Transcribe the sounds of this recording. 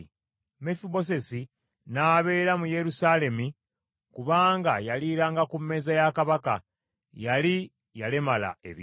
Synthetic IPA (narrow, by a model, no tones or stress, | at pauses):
mefibo̞s̬e̞si | naːβe̞ːɾamuje̞ɾusale̞mi | kuβaːŋɡajaliːɾaŋɡakumːe̞ːzajakaβaka̰ | jali | jalemala̰ḛβi